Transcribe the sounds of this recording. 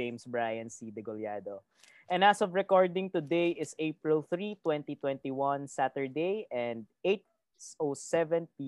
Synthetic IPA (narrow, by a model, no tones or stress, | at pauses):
ẽjmsbɹajɐ̃nsid̪ɛɡʊljad̪o | ʔɛ̃nasɔvɹɛkɔɹd̪ɪ̃ŋt̪ʊd̪ejɪseɪpɹɪlˠθɾit̪wɛ̃nt̪it̪wɛ̃nt̪iwɐ̃nsat̪ə˞d̪ejɛ̃nd̪̚et̪̚ | ʔosɛvɛ̃npi